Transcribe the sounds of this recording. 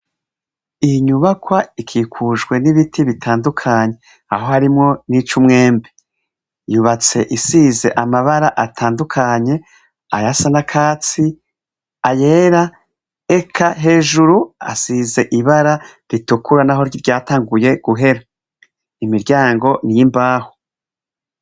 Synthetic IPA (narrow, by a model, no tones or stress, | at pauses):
iɲuβakwaikʰiːkʰuʒɡwe̞niβitʰiβitʰaːndukʰaɲe̞ | aɦo̞haɾimŋo̞nit͡ʃumŋe̞ːmbe | juβat͡se̞ʔisize̞ʔamaβaɾaʔatʰaːndukʰaɲe̞ | ajasanakʰaːt͡si | aje̞ːɾa | e̞kʰaɦe̞ːʒuɾua̰size̞ʔiβaɾaɾitukuɾanaɦo̞ɾɟiɾɟaːtaːŋɡuje̞ɡ̥uɦe̞ɾa | imiɾɟaːŋɡo̞nijimbaːho